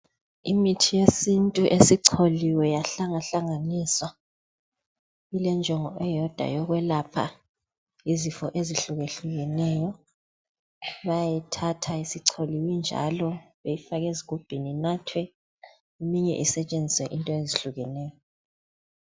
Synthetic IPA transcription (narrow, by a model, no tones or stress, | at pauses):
imitʰijesintʼuʔesiǀʰoliwɛjaɬaŋaɬaŋaniswa | ilɛnd͡ʒʱɔŋɔ̰ʔɛjɔd̥ʱa̰jɔɣwɛlapʰa̰ | izifɔʔeziɬuɣeɬuɣɛnɛjɔ | βajajitʰatʰaisiǀʰoliwind͡ʒʱa̰lɔβejifaɣeziɣub̥ʱininatʰwɛ | imiɲɛ̰ʔisɛt͡ʃʼend͡zʱiswɛʔintʼɔeziɬuɣɛnɛːjɔ